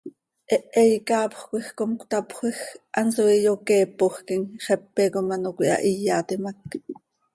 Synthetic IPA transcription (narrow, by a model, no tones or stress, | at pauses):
ʔɛʔɛjikɑːpχʷkʷixkomkʷt̪ɑpχʷixʔɑnsoijokɛːpːoχkiŋχɛpːekomɑnokʷiʔɑ̰ʔijːɑːt̪imɑk̚